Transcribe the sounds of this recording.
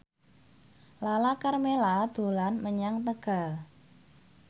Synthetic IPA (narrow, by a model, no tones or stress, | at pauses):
lalakarmelad̪̥o̤lanməɲaŋt̪əɡ̥a̤l